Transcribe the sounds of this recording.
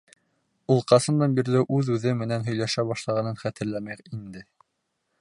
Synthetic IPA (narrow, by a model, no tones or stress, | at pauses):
ulˠqɑsɤ̆nd̪ɑnbiɾlɘʔʉðʉðɘmɘ̆nænɦɵ̆jlæʃæbɑʃlˠɑʁɑnɤnχæt̪ɘ̆ɾlæmæɾind̪ɘ